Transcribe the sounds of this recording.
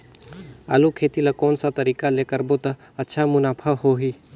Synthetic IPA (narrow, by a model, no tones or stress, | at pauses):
a̰ːlukʰeːt̪ilakɔːnsat̪ɐɾiːkaleːkəɾbot̪ɐ | ɐtːʃʰamʊnaːpʰəɦoɦiː